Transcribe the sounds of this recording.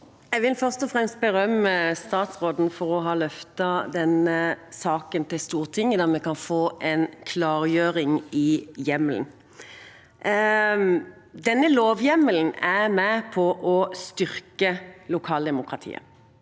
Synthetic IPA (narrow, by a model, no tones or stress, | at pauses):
jɛʋɪlfœʁst̪ɔfʁɛmst̪̚bəɾœməst̪ɑːt̪sʁoːd̪n̩fɔɾɔɦɑːlœft̪ɑd̪ɛnəsɑːkənt̪ɪlst̪uːʁt̪ʰɪŋːəd̪ɛʁmɛkɑnfoːʔɛnkʰlɑːʁjøːʁɪŋɪjɛməln̩ | d̪ɛnːəloːʋjɛmːəln̩æmɛpʰɔʔɔst̪ʏɾkəlʊkʰɑːld̪ɛmʊkʁɑt̪ʰḭːə̰